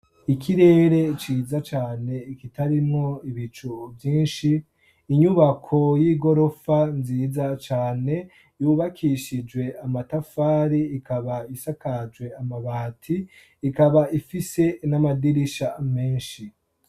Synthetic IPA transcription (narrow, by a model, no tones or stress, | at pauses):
ikʰiɾe̞ːɾe̞t͡ʃiːzat͡ʃaːne̞ikitaɾimŋo̞iβit͡ʃuvjiːnʃiː | ɲuβakʰo̞jiɡo̞ɾo̞fanziːzat͡ʃaːne̞ | juβakʰiʃid͡ʒɡwe̞amatafaːɾiːkaβaisakad͡ʒwe̞amaβatʰiː | kaβaʔifise̞namadiɾiʃame̞ːnʃi